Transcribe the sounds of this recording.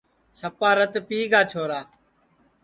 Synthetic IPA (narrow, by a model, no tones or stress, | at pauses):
səpaːɾət̪piːɡaːt͡ʃʰoːɾaː